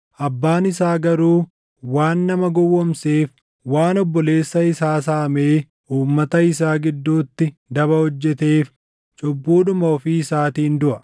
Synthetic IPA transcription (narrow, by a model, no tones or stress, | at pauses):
ʔɐbːaːnɪsaːɡɐɾuː | waːnːɐmɐɡɔwːɔmseːf | waːnɔbːɔle̞ːsːɐɪsaːs̬aːɐmeː | ʔuːmːɐt̪ɐɪs̬aːɡɪd̪ːuːt̪ːɪd̪ɐβɐhɔd͡ʒːɛt̪eːf | t͡ʃʼʊbːuːᶑʊmɐɔfiːɪsaːt̪iːnd̪ʊʔɐ